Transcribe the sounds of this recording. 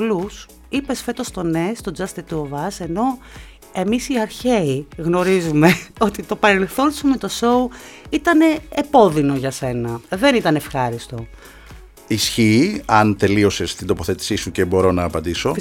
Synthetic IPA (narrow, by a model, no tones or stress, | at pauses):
lus | ipe̞sfe̞t̪o̞st̪o̞ne̞st̪o̞d͡zɐst̪et̪uovɐse̞no̞ | e̞misiɐɾçeiɣno̞ɾizume̞o̞t̪it̪o̞pɐɾe̞lθo̞nsume̞t̪o̞so̞uit̪ɐne̞ːpo̞ðino̞ʝɐse̞nɐðe̞nit̪ɐnefxɐɾist̪o̞ | isçiːɐnt̪e̞lio̞se̞st̪ind̪o̞po̞θe̞t̪i̥sisuce̞bo̞ɾo̞nɐːpɐnd̪iso̞